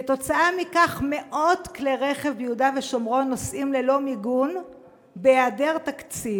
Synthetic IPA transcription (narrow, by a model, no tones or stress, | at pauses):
eto̞t͡saamikaχme̞ʔo̞tkleʁe̞χe̞vbjudaveʃo̞mʁo̞nːo̞sʔimle̞lo̞miɡun | beadeʁt̪akt͡siv